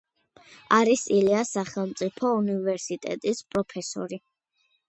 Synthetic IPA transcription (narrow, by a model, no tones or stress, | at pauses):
aɾisiliasaχɛlˠmt̪sʼipʰɔunivɛɾsit̪ʼɛ̰t̪ʼispʼɾɔpʰɛsɔ̰ɾi